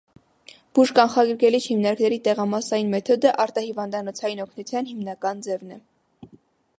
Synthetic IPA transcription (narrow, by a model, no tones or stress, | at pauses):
b̥uʒkɑnχɑɡɾkɛlit͡ʃʰhimnɑɾknɛɾit̪ɛʁɑmɑsɑjinmɛt̪ʰɔd̪əʔɑɾt̪ɑhivɑnd̪ɑnɔt͡sʰɑjinɔkʰnut͡sʰjɑnhimnɑkɑnd͡zɛvnɛ